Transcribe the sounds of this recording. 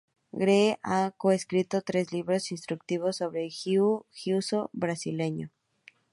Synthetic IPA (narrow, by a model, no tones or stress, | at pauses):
ɡɾeʔakoeskɾit̪ot̪ɾe̞zliβɾo̞sinst̪ɾuk̚t̪iβ̞o̞sːo̞βɾe̞xuxjusobɾasile̞ɲo̰